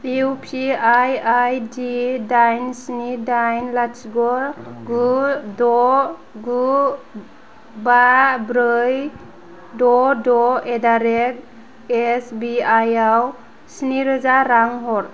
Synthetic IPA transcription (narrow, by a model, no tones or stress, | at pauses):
iupʰiajajdidajnsnidajnlasɡɔɾɡudɔɡu | babɾɯj | dɔdɔedaɾek̚ | esbiajaw | siniɾɯzaɾaŋɦɔɾ